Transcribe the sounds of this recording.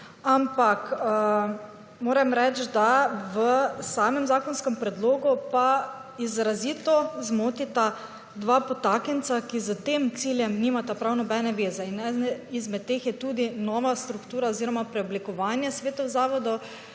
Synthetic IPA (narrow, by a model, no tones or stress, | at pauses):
ampak | moːɾɛmɾɛt͡ʃd̪aʋəsaːmɛmzaːkɔnskɛmpɾɛd̪loːɡupa | izɾazit̪ɔzmoːt̪it̪a | d̪ʋapɔt̪akɛnt̪sakizət̪emt̪siljɛmniːmat̪apɾawnɔbɛnɛʋeːzɛinɛnizmɛt̪̚ːeːxjɛt̪uːd̪inɔːʋast̪ɾukt̪uːɾaoziːɾɔmapɾɛɔblikɔʋaːnjɛsʋeːt̪awzaːʋɔd̪ɔ